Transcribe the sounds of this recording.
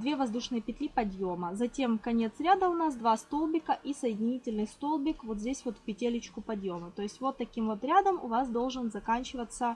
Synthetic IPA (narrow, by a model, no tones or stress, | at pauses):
d̪vʲe̞vɐzd̪uʂnɨjəpʲɪt̪ʲlʲipɐd̪jo̞məzɐtʲe̞mkɐnʲet̪sɾʲad̪əʊnasd̪vast̪o̞lˠbʲɪkəʔisəjɪdʲɪnʲitʲɪlʲnɨjst̪o̞lˠbʲɪkvo̞t̪zʲdʲesʲvo̞t̪fpʲɪtʲelʲɪt͡ɕkʊpɐd̪jo̞mət̪o̞ɪsʲtʲvo̞t̪ːɐkʲimvot̪ɾʲad̪əmʊ̰vasd̪o̞lˠʐɨnzɐkanʲt͡ɕɪvət̪sə